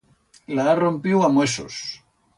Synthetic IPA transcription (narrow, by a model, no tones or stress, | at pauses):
laðarompjewamweso̰s